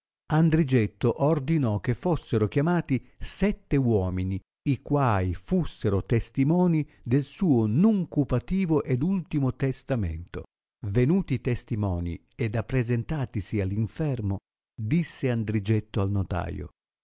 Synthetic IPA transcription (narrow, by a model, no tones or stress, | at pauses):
and̪ɾid͡ʒɛt̪ːoʔord̪inɔk̟ːefːosːeɾok̟jamaːt̪isɛt̪ːewɔːmini | ikwaːifusːeɾot̪est̪imɔːni | d̪elsuːonuŋkupat̪iːvoʔed̪ult̪imot̪est̪amḛnt̪o̰ | venuːt̪it̪est̪imɔːnḭ | ed̪apːɾezent̪aːt̪isialːiɱfɛrmo | d̪isːeand̪ɾid͡ʒɛt̪ːoalnot̪a̰ːjo̰